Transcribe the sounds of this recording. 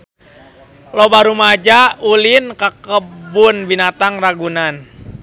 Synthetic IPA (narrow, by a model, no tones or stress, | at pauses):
lɔbaɾumad͡ʒaulinkakəbunbinat̪aŋraɡunan